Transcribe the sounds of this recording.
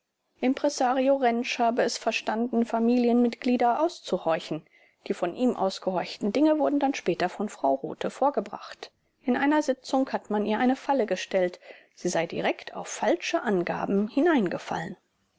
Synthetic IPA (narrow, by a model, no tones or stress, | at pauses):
ʔɪmpʁ̥ɛsaːʁioʁɛnʃhaːbəɛsfɛɐʃtandn̩famiːljənmɪtɡ̥liːdɐʔaʊst͡suhɔɪçn̩ | d̥iːfɔnʔiːmʔa̰ʊsɡ̥əhɔɐçtn̩dɪŋəvʊɐdn̩danʃpɛːtɐfɔnfʁ̥aʊʁo̰ːtʰəfoːɐɡəbʁa̰χt | ʔɪnʔaɪnɐzɪt͡sʊŋkhatmaniːɐʔaɪnəfaləɡəʃtɛlt | z̥iːzaɪdḭʁɛktʰa̰ʊfalt͡ʃəʔanɡa̰ːbm̩hɪnaɪnɡəfa̰lən